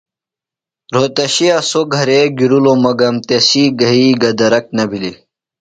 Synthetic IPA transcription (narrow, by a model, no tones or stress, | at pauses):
ɾoːt̪ɐɕijasoɡʱɐɾeɡiɾulomɐɡɐmt̪esiɡɐɦiɡɐd̪ɐɾɐk̚nɐbʱili